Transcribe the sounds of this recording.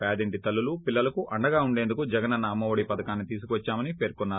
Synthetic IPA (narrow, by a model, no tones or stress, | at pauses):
paːd̪iɳʈit̪ɐlːulupilːɐlɐkuʔɐɳɖɐɡaːuɳɖe̞ːnd̪ukud͡ʒɐɡɐnɐnːɐːmːɐʋɐɽipɐd̪ɐkaːnːit̪iːsukuʋɐt͡ʃːaːmɐnipe̞ːɾkɔnːaːɾu